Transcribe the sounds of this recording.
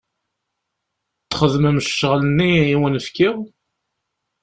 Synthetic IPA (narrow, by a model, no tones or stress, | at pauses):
t͡s̪ːχəðməmʃʃːəʁlənːiːwənəfkiʁ